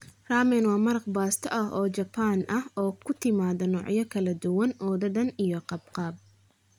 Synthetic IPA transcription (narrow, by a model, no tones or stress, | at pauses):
raːmɛnwɑːmɐɾɐqbaːst̪ʰɔʔɐɦɔːt͡ʃɐpʰaːnʔɐhɔːkʰʊt̪ʰɪmaːðɔnɔːʕjɐkʰɐlɐd̪ʊwɐnʔɔːðɐðɐnijɔqɑbqɑːb̚